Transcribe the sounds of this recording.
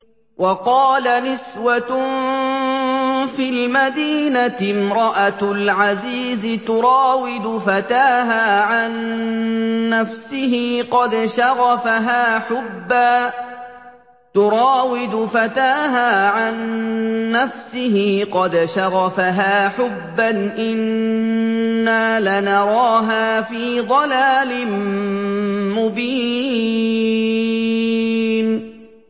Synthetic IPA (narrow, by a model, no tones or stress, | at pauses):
wʔɑqɑːlanɪswa | fiːlmad̪iːnat̪ɪmɾˤɑʔalʕaziːzɪt̪ʊɾˤɑːwɪd̪ʊfat̪aːɦaːʕanː | afsɪhɪqɑd̪ʃɑɣɑfaɦaːħʊbːaː | t̪ʊɾɑːwɪd̪ʊfat̪aːɦaːʕanː | afsɪɦiːqɑd̪ʃɑɣɑfaɦaːħʊbːanʔɪn | aːlanɑɾˤɑːɦaːfiːd̪ˤɑlaːlɪm | mʊbiː | n